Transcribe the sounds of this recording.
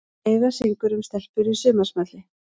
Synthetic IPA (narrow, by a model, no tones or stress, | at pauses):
eːjɣasiŋkʏɾʏmst̪ɛl̥pʏɾisʏːmasmat̪lɪ